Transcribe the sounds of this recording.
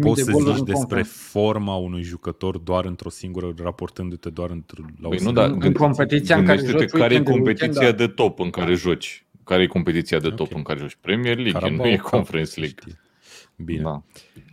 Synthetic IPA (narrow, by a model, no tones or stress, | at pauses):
pot̪ssəzit͡ʃd̪espɾe̞fo̞rmaunujʒukət̪o̞rd̪oaɾɨnt̪ɾo̞siŋɡuɾərapo̞rt̪ɨnd̪ut̪e̞d̪oaɾɨnt̪ɾlajnud̪aɡɨnkompet̪it̪siaeʃt̪et̪ekaɾejeko̞mpe̞t̪iijad̪et̪o̞pɨŋkaɾe̞ʒot͡ʃʲ | kaɾejeko̞mpe̞t̪it̪siad̪et̪o̞pɨŋkaɾe̞ʒot͡ʃʲpɾemierliɡenujekʰonfeɾensliɡ | binea